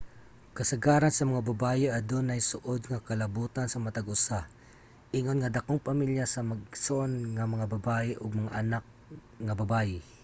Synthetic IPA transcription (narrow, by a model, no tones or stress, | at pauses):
kɐsɐɡaːɾansɐmɐŋabɐbaːjɛʔɐd̪onɐjsʊʔod̪̚ŋɐkɐlɐbuːt̪ansɐmɐt̪aɡʔʊsa | ʔɪŋonŋɐd̪ɐkoŋpɐmiljasɐmɐɡ̚sonŋɐmɐŋabɐbaːʔɛʔoɡ̚mɐŋaʔɐnak̚ | ŋɐbɐbaːjɪ